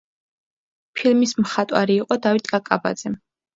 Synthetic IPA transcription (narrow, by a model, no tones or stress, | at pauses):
pʰilˠmismχat̪ʼwa̰ɾiːqʼɔd̪avit̪ʼɡʼakʼaba̰d̪z̥ɛ